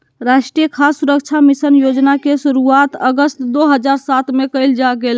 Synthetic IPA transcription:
ɾaʃʈɾijəkʰasːuɾək̚t͡ʃʰamisənjod͡ʒnakesuɾuat̪əɡəst̪d̪oɦəd͡ʒaɾsat̪mekəjld͡ʒaɡel

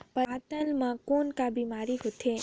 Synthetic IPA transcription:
pəat̪əlmãkonkabimaɾiɦot̪ʰe

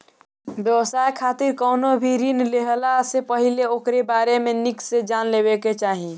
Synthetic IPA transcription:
bjəwəsaekʰaːt̪iɾkɔʊnobʱiɾinleɦlasepəɦileokɾebaːɾemẽniksed͡ʒaːnlebeket͡ʃaːɦi

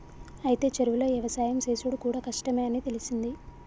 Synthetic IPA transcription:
ɐjit̪e̞ːt͡ʃeɾuʋulɐːɛʋɐsaːjɐmseːsuɽukuːɽaːkɐʂʈɐme̞ːɐniːt̪e̞lisind̪i

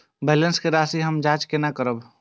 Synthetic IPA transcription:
bɛːlənskeɾaːsiɦəmd͡ʒaːt͡ʃkenakəɾəb

